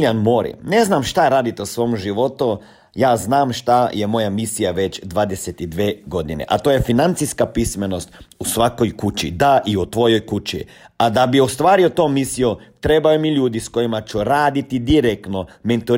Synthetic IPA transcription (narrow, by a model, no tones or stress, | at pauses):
lianmoːɾḭneznamʃt̪aɾaːd̪it̪eusʋo̞ːmʒiʋo̞t̪u | jaːznaːmʃt̪ajemo̞jamisijaʋe̞t͡ɕd̪ʋaːd̪eset̪id̪ʋeːɡo̞d̪inḛʔat̪oje̞finant̪siskapismeno̞st̪usʋako̞jkut͡ʃḭd̪aʔiut̪ʋo̞jo̞jkut͡ʃḭ | ad̪abiost̪ʋaːɾiot̪o̞ːmisijot̪ɾe̞bajomiʎuːd̪isko̞jimat͡ʃuɾaːd̪it̪id̪iɾek̚t̪noment̪u